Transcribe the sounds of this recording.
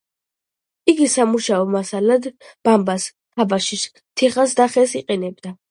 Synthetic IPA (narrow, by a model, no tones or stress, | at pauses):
iɡisamuʃaɔmasalad̪b̥ambas | t̪ʰabaʃis | t̪ʰiχasd̪aχɛsiqʼɛnɛb̚d̪a